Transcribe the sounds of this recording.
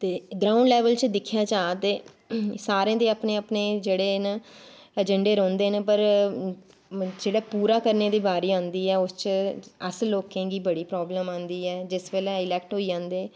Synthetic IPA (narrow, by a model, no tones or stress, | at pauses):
t̪eːɡɾaːʊ̃ɳɖlɛːʋəlt͡ʃd̪ɪkʰjaːt͡ʃaːt̪eː | saːɾẽːd̪eːaːpneːapneːd͡ʒeːɽeːn | əd͡ʒəɳɖeːɾɔ̃ːnd̪eːnepəɾ | d͡ʒeːɽeːpuːɾaːkəɾneːd̪iːbaːɾiːãːnd̪iːɛːʊst͡ʃəsloːkẽːɡiːbəɽiːpɾɔːbləmãːnd̪iːɛːd͡ʒɪsʋeːlɛ̃ːɪlɛːkʈɦoːiːd͡ʒãːnd̪eː